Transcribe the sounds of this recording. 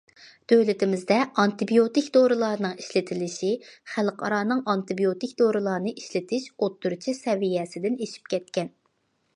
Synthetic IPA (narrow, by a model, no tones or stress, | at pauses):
d̪̥øwlɪt̪ʰɪmɪzd̪ɛɑnt̪ɨbijot̪ɪkʲd̪oɾɨlˠɑːɾnɨŋi̥ʃlɪt̪ʰɪlɪʃiχælqʰɑ̰ɾɑːnɨŋʔɑnt̪ɨbijot̪ikʲd̪oɾɨlˠɑːnɨʔiʃlɪt̪ʰɪʃot̪ːuɾt͡ʃʰisɛvijɛsɪd̪ɪneʃi̥p̚kʲʰɛt̪̚kʲɛn